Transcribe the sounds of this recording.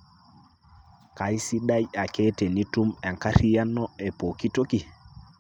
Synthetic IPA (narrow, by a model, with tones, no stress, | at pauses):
ka˨jsi˦ɗa˦ja˨ke˦te˨ni˦tu˦mɛ˨ŋka˦ɾi˦ja˦nːɔ˦e˨po˨ki˦to˦ki˨